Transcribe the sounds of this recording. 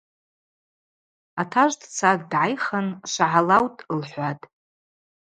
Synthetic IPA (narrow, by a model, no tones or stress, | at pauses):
atʰaʒʷdt͡sʰaɡdʕajχanʃʷaʕalawtʼlħʷatʼ